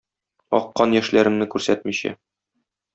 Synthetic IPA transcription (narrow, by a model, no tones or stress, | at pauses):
ɒ̰qːɑnjæʃlæɾɘ̆mnɘkʉɾsæt̪miɕæ̰